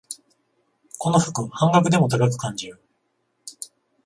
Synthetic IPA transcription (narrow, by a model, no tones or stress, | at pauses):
ko̞no̞ɸɯ̟̥kɯ̟hãŋɡakɯ̟d̪e̞mo̞t̪aɡak̬ɯ̟̥kãɲd͡ʑiɾɯ